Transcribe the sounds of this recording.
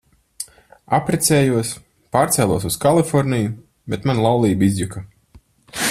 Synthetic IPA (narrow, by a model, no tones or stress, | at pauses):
apɾɛt̪sʲɛːjuɔs | paːɾt̪sʲɛːlˠuɔs̬uskalˠifɔɾnʲiju | bʲɛt̪manlˠawlˠiːbizjuka